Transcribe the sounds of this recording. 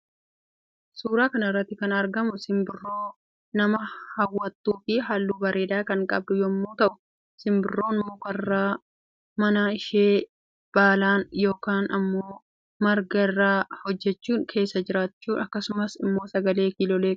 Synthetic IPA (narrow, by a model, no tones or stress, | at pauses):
suːɾaːkɐnɐɪrːɐt̪ːɪkɐnɐɾɡɐmʊsɪmbɪrːo̞ː | nɐmɐhɐwːɐt̪ːuːfɪɦaːlːuːbɐɾʔe̞ːd̪aːkɐŋkʼɐ̰b̚d̪ʊjɔmːoːt̪ɐʔʊ̥ | sɪmbɪrːoːnmoːkɐrːaː | mɐnaːɪʃeː | b̥aːlaːnjo̞ːkaːnɐmːoː | mɐɾɡɐɪrːaːhɔd͡ʒːɛt͡ʃːuːŋkʰe̞ːsːɐd͡ʒɪɾaːt͡ʃːuːɐkːɐsʊmɐsɪmːo̞ːsɐɡɐle̞ːkiːlɔːleːkʼ